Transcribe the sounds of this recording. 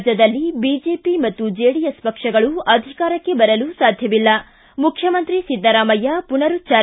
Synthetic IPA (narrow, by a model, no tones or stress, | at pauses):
d͡ʒɐd̪ɐlːibiːd͡ʒe̞ːpimɐt̪ːud͡ʒeːɽijɐspɐkʂɐɡɐɭuɐd̪ʱikaːɾɐkːe̞bɐɾɐlusaːd̪ʱjɐʋilːɐ | mukʰjɐmɐnt̪ɾisid̪ːɐɾaːmɐjːapunɐɾut͡ʃaː